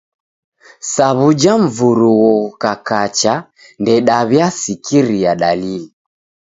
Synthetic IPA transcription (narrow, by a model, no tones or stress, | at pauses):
saβud͡ʒaɱ̩vuɾuwɔkakat͡ʃa | ndɛɗaβjasikiɾiaɗalili